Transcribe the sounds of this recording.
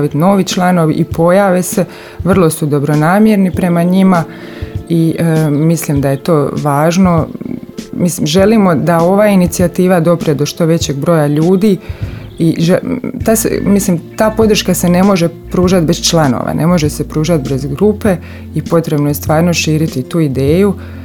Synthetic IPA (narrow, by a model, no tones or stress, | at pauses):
aʋit̪no̞ːʋit͡ʃlˠano̞ʋḭʔipo̞jaʋe̞se̞ | ʋr̩lˠo̞sud̪o̞bɾo̞naːmjeɾnipɾe̞maɲima | imislimd̪aje̞t̪o̞ːʋaːʒno̞ | mislimʒe̞limo̞d̪ao̞ʋaːinit̪siat̪iːʋad̪o̞pɾied̪o̞ʃt̪o̞ʋe̞t͡ɕe̞ɡ̚bɾo̞jaʎuːd̪iiʒet̪asḛmislimt̪aːpo̞d̪r̩ʃkase̞ne̞mo̞ʒe̞pɾuːʒat̪̚best͡ʃlˠano̰ʋa̰nʔe̞̰mo̞ʒese̞pɾuːʒat̪be̞zɡɾupe̞ | ipo̞t̪ɾe̞bnoje̞st̪ʋaːɾno̞ʃiːɾit̪it̪uːid̪eːju